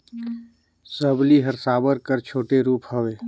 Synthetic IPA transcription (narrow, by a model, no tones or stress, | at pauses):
səbliɦəɾsaːbəɾkəɾt͡ʃʰoːʈeɾuːpɦəʋeː